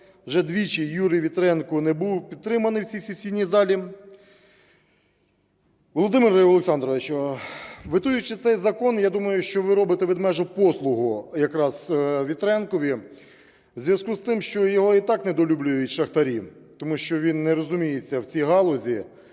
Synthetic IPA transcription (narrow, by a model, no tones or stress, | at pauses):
ʋʒɛd̪ʋʲit͡ʃijjuɾʲijʋʲit̪ɾɛnkʊnɛbuwpʲid̪̚t̪ɾɪmɐnɪwt͡sʲisʲisʲinʲːizɑlʲi | ʋɔlˠɔd̪ɪmɪrɐɔlˠeksɑnd̪ɾɔʋet͡ʃɔ | ʋɪt̪ujʊt͡ʃɪt̪sɛjzɐkɔnjad̪umɐjʊʃt͡ʃɔʋɪɾɔbɪt̪ɛʋɪd̪mɛʒʊpɔslˠʊɦʊjɐkɾɑzʋʲit̪ɾɛnkɔʋʲi | wzʲʋjɐzkust̪ɪmʃt͡ʃɔjɔɦɔit̪ɑknɛd̪ɔlʲublʲʊjʊtʲʃɐxt̪ɐɾʲi | t̪ɔmuʃt͡ʃɔʋʲinːɛɾɔzʊmʲijet͡sʲːɐwt͡sʲiɦɑlˠɔzʲi